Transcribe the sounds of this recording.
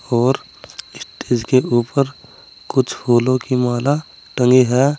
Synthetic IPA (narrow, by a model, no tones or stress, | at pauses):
ɔːɾ | ɪst̪eːd͡ʒkeʔuːpəɾ | kʊt͡ʃʰhoːlõkimaːla | ʈə̃ŋɡiɦɛː